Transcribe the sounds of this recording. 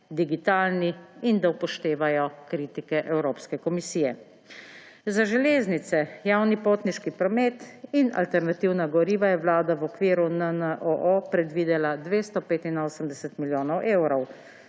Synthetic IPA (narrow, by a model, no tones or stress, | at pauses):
d̪iɡit̪aːlniind̪aupɔʃt̪eːʋajɔkɾiːt̪ikɛʔɛwɾoːpskɛkɔmisiːjɛ | zaʒɛleːznit̪sɛjaːwnipoːt̪niʃkipɾɔmeːt̪ina̰lt̪ɛɾnat̪iwnaɡɔɾiːʋajɛwlaːd̪awɔkʋiːɾunənəʔoʔopɾɛd̪ʋiːd̪ɛlad̪ʋeːst̪ɔpeːt̪inoːsəmd̪ɛsɛt̪miljoːnɔwʔeːwɾɔw